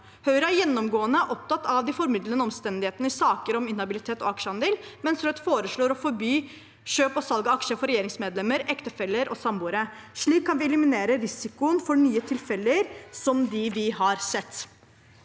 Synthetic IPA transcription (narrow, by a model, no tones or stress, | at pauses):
hœʏɾəæɾjɛnːɔmɡoːənəʔɔp̚t̪ɑt̪ːɑʋd̪ɪfɔɾmɪd̪lənəɔmst̪ɛnd̪ɪheːt̪ənəɪsɑːkəɾɔmɪnhɑbɪlɪt̪ʰeːt̪ɔ̰ɑkʂəhɑnd̪eːlmɛnsɾœt̪foːɾəʂɭoːɾɔfɔɾbyː | ʃøːpɔsɑlɡəɑkʂəfɔɾɛjeːɾɪŋsmeːd̪lɛmːəɾɛkt̪əfɛlːəɾʔɔsɑmbuːɾəʂɭiːkʰːɑnʋɪɛlɪmɪneːɾəɾɪsɪkʊənfɔɳyːət̪ʰɪlfɛləɾsɔmd̪ɪʋɪhɑɾsɛt̪ː